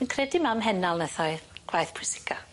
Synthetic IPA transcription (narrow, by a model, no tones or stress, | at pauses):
ənkʰrɛdimamɦɛnalˠnɛθɔɨɡ̥wajθpʰɪsɪ̥kʰa